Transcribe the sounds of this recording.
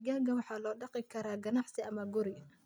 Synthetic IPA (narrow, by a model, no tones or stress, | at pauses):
ɡaːɡɐwɑħɑːlɔːɖɑqɪkʰɐɾaːɡɐnɑħsɪɐmɐɡʊɾɪ